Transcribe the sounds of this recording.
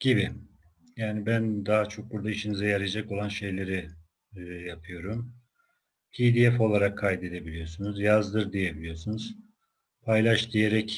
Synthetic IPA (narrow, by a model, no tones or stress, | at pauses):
ɟ̥ibi | jaːnibænd̪aɦat͡ʃʰo̞k̚buɾd̪aiʃinizɛjaɾajd͡ʒako̞lˠanʃe̞jlʲe̞ɾi | japʰɯjo̞ɾum | hʰiːd̪ijɛfo̞lˠaɾakʰːajd̪e̞d̪e̞bilʲijo̞sunuzjazd̪ɯɾd̪ije̞bilʲijo̞sunuz̥ | pʰajlˠaʃd̪ije̞ɾɛc